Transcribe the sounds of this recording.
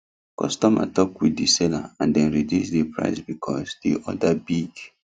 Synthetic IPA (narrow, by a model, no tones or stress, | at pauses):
kɔ̰stɔ̃ma̰tɔkwidisɛla̰ãndɛ̃nɹidusdipʰɹa̰ɪsbikʰɔsdiʔɔdabiɡ